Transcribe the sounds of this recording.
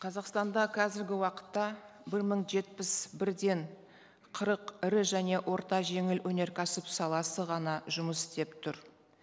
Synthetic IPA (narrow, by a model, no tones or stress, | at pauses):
qʰɑzɑqst̪ɑnd̪ɑqʰæzɪɾɡʲɪwɑqə̥t̪ːɑ | bɪɾməɴʒe̞t̪̚pɪsbɪɾd̪e̞ɴ | qʰəɾəqɪɾɪʒæne̞wʔo̞ɾt̪ɑʒe̞ŋɪlwʔɵne̞ɾkʲʰæsɪpsɑlˠɑsəʁɑnɑʒʊməsɪ̥st̪e̞pt̪ʰʊɾ